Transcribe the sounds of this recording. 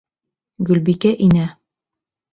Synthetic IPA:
ɡʉlbikæʔinæ

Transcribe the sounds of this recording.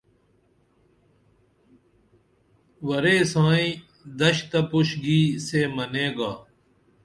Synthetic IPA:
wɐɾeːsãːĩ | d̪ɐɕt̪ɐpuɕɡiːseːmɐneːɡaː

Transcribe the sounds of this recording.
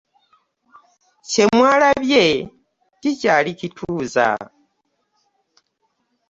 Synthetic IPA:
ce̞mwaːlaβje | ticalicitʰuːza̰

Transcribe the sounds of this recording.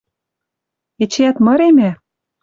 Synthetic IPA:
et͡ɕeæt̪mɤ̆ɾemæ

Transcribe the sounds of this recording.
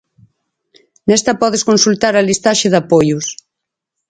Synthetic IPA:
nɛst̪ɐpɔðeskonsult̪aɾɐlist̪aʃeðapojʊs

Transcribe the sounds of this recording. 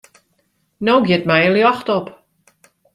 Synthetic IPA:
nowɡjɪtmɛjəljɔxtɔp

